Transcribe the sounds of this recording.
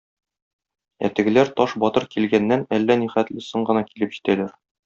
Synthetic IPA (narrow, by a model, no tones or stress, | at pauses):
æ̰t̪ɘ̆ɡɘ̆læɾt̪ɒʃbɒt̪ɤɾkilɡænːænælːæniχæt̪lɘsɤɴɢɤ̆nɑkilɘpʑit̪ælæɾ